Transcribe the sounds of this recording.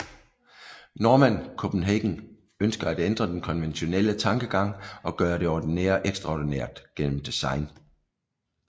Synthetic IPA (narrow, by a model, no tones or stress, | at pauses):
noːmæn̰kʰob̥n̩ɦeɡ̥n̩ | ønsɡ̥ɐæd̥end̥ʁɐd̥enkʰɒ̽nʋenɕo̝nelət͡sʰɑ̈ŋɡ̥əɡ̥ɑ̈ŋ̰ɒ̽ɡ̥ɶːɐɾe̝ɒːd̥inḛːɐʔeɡ̥sd̥ʁɑɒ̰d̥ineɐd̥ɡ̥en̰m̩d̥isɑ̈ɪn